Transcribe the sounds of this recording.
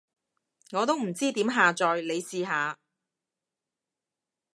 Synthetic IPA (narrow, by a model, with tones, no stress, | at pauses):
ŋɔː˨˧t̪o˥wm̩˨˩t͡siː˥t̪iː˨˥mɦaː˨t͡sɔː˨jle˨˧jsiː˧ɦaː˨˧